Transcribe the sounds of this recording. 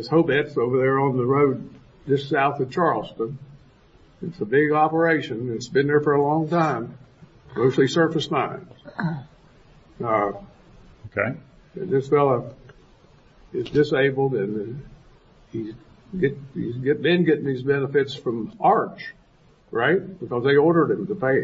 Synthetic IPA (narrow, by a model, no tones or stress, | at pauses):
ɨz̥hoʊbɛtsoʊvə˞ðə˞ə̃nðəɹoʊd̚ | dɨssaʊθɨv̥t͡ʃʰɑɹlˠstə̃n | ɨtsəbɪɡɑpə˞eɪʃɨ̃nɨtsb̥ɨ̃nðə˞fə˞əlɔ̃ŋtʰãɪ̃m | moʊstˡlˠisɜ˞fɨstʰãɪ̃mz̥ | oʊkʰḛɪ | ɨ̰̃nɨsfɛlˠə | ɪzdɨseɪbl̩ˠdɨ̃n | iz | ɡɛtizɡɛbɨ̃nɡɛɾɪ̃ŋðizbɛnəfɨtsfɹʌ̃mʔɑɹt͡ʃ | ɹaɪt̚b̥əkʌzðeɪɔɹɾə˞d̚ɨ̃mtəpeɪ